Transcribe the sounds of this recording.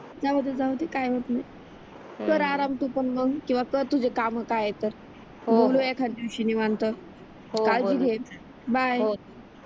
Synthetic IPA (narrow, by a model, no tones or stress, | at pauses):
d͡zaʋəd̪ʱːəd͡zawt̪ekajʋət̪naj | kəɾaɾamt̪upəɳməɡkĩw̃ʋakəɾt̪ud͡ʑekaməkajet̪əɾ | ɦboluekʰand̪iʋɕiniʋant̪ə | ɦokald͡ʑiːɡʱet̪ | bajo